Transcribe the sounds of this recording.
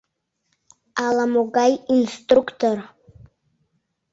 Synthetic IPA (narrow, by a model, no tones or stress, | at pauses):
alamoɡajinstʼrukʰtʰor